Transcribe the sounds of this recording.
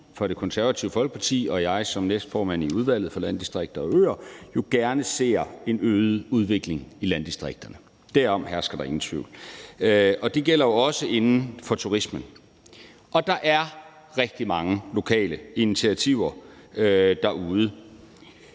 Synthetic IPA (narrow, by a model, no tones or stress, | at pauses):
fɒ̽d̥e̝kʰɒ̽nsæɐʋæt͡sʰiʊəfɒ̽l̰ɡ̥ə̥pʰɑ̈t͡sʰḭːɒ̽jɑ̈ɪsɒ̽mnesd̥fɒːmæn̰iuð̞ˠʋæl̰ð̩ˠfɒ̽lænd̥isd̥ʁeɡ̥̚d̥ɐɒ̽ø̰ːɐjo̝ɡ̥æɐnəse̝̰ːɐe̝nøːð̩ˠuð̞ˠʋe̝ɡ̥le̝ŋilænd̥isd̥ʁeɡ̥̚d̥ɐnə | d̥æɐɒ̽m̰ɦæɐsɡ̥ɐd̥ɑ̈e̝ŋn̩t͡sʰʋḭʊ̰l | ɒ̽d̥e̝ɡ̥el̰ɐjo̝ɒ̽səʔe̝nn̩fɒ̽t͡sʰuʁismən | ʔɒ̽d̥ɑ̈ʔæɐ | ʁɛɡ̥̚d̥imɑ̈ŋəlo̝kʰɛ̰ːləinit͡sʰiæt͡sʰiʊ̰ɐ | d̥ɑ̈ʔuːð̞ˠə